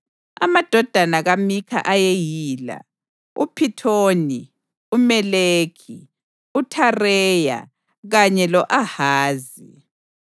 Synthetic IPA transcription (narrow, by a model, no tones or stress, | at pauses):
a̰mad̥ʱɔd̥ʱanaɣamikʰa̰ʔajejiːla̰ | ṵpʰitʰoːni | umɛleːkʰi | utʰarɛːja̰ | ɣaɲɛlɔʔahaːzi